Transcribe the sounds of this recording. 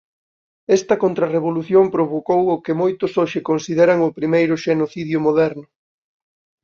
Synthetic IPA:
ɛst̪ɐkont̪ɾɐreβoluθjompɾoβokowʊkɪmojt̪ʊsoʃɪkonsið̞eɾɐŋʊpɾimejɾʊʃenoθiðjʊmoðɛɾnʊ

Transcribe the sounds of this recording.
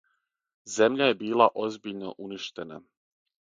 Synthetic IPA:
ze̞mʎaje̞biːlˠaʔo̞zbiʎno̰ʔuniʃt̪e̞na

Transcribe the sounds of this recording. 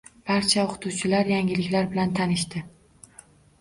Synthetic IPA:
b̥aɾt͡ʃʰaoqʰɨ̥t̪ʰuwt͡ʃʰɪlaɾjaŋʲɪlɪkʲlaɾbɪlant̪ʰanɪʃt̪ɪ

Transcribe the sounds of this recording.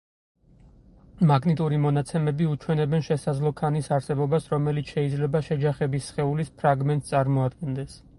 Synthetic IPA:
maɡnit̪ʼuɾimɔnat̪sʰɛmɛbiut͡ʃʰwɛnɛbɛnʃɛsad̪zlˠɔkʰanisaɾsɛbɔbasɾɔmɛlit̪sʰʃɛid̪zlɛbaʃɛd͡ʒaχɛbisχɛulispʰɾaɡmɛnt̪sʼaɾmɔad̪ɡɛnd̪ɛs

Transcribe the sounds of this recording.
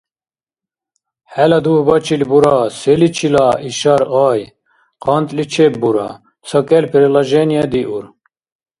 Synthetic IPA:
hælɑd̪ubɑt͡ʃʰilbuɾɑselit͡ʃʰilɑiʃɑɾɑːj | qɑnt̪lit͡ʃʰep̚buɾɑ̰ | sɐkʼɛlpʰiɾilɑʒenijɑd̪iʔuɾ

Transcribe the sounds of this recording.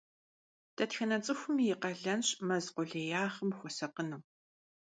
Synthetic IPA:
d̥ɐtxɐnɐt͡sʼɨxʷʊmijɪqɐɮɐnɕmɐzqʷʊɮeːjaːχəmxʷɔsɐqənuː

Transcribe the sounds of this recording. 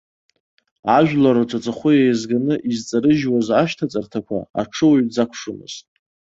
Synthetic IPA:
aʒᶣlaɾoʈ͡ʂʷʼat͡sʼaχʷʊjajzɡanɨʔizt͡sʼaɾɨʒwazaʃtʰat͡sʼartʰakʷʰa̰a̰ʈ͡ʂʰɨwɥd͡zakʷʰʂɨmɨ̰z̥tʼ

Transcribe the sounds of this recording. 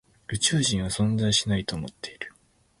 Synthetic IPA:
ɯ̟t͡ɕɨːʑĩɰ̃β̞asõ̞nzaiɕinait̪o̞ːmo̞t̪ːe̞iɾɯ̟̥

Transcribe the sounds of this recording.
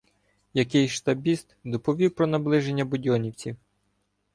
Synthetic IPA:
jɐkɪjʃt̪ɐbʲist̪d̪ɔpɔʋʲiwpɾɔnɐblˠɪʒe̞nʲːɐbʊdʲɔnʲiwt͡sʲiw

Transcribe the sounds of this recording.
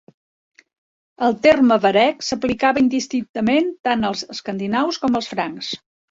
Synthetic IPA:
əlˠt̪erməβəɾɛksəplikaβəind̪ist̪ɾint̪əment̪anəlˠzəskənd̪inawskɔməlˠsfɾaŋks

